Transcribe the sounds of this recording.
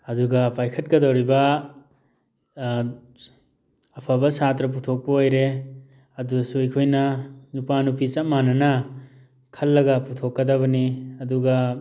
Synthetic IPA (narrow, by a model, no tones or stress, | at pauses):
ɐduɡɐpajkʰɐt̚kɐdawɾibɐ | ɐpʰabɐsatɾɐp̬utʰok̚pɐojɾe | ɐdusuekʰojnɐnupanupit͡ʃɐmanɐnɐ | kʰɐlːɐɡɐputʰokːɐdɐβɐniɐduɡɐ